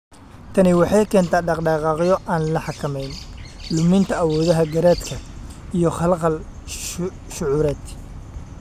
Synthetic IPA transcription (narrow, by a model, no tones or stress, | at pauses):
t̪ʰɐnɪwɑħɑjkʰɛːnt̪ʰaːɖɑqɖɑːqɑːqɪjɔʔaːnlɐħɑkʰɐmɛjnlʊmɪnt̪ʰɐːwɔːðɐɦɐɡɐɾɛːd̪kʰɐ | ijɞχɑlqɑl | ʃʊʕuːɾɛːd̪